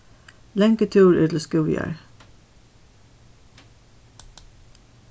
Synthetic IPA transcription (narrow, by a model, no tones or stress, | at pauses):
lɛŋkət̪ʰʉːɹʉːt̪l̩skʉːjə̰ɹ